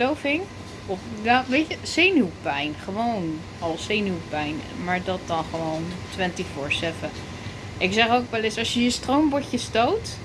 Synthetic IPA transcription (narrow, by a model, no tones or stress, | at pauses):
lowvɪŋ | ɔfjaʋejcəsejnywpɛjnχəʋown | ɑlˠsejnywpɛjnmaːɹdɑt̚dɑnχəʋowntʋɛntifʊɹsɛfə | ʔɪksɛχowkʋɛlɪsɑsjəjəstrombɔɹcəstowt